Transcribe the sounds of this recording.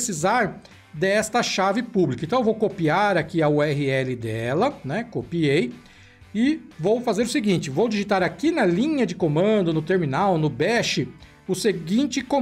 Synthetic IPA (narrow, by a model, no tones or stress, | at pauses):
sizaɾ | d̪ɛst̪ɐʃavɪpublikɐẽt̪ɐ̃wvowkopiaɾakiɐuɛɦɪɛlɪd̪ɛlɐnɛkopiej | ɪvowfazeɾʊsɪɡĩnt͡ʃɪvowd͡ʒiʒit̪aɾakinɐlĩɲɐd͡ʒɪkomɐ̃d̪ʊnʊt̪eɾminawnʊbɛʃɪ | ʊseɡĩnt͡ʃɪkõ